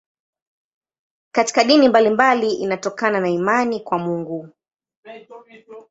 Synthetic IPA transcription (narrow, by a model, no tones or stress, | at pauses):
kati̥kaɗinimbalimbaliʔḭnatɔkananaimanikwamuŋɡu